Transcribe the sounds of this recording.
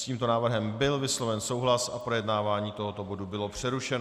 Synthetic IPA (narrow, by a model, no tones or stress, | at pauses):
sciːmt̪o̞naːvr̩ɦɛmbɪlvɪslo̞vɛnso̞wɦlasapɾojɛdnaːvaːɲiːt̪o̞ɦot̪o̞bo̞dubɪlo̞pr̝̥ɛɾuʃɛn